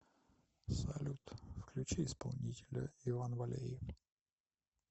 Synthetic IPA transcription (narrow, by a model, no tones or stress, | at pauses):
sɐlʲut̪fklʲʉt͡ɕiɪspɐlˠnʲitʲɪlʲə̰ɪvanvɐlʲḛjɪf